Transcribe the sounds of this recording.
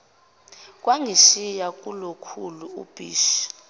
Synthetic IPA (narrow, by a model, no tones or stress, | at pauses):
k̬ʼwaŋʱiʃijakʼulokʰuluṵb̥ʱḭːʃ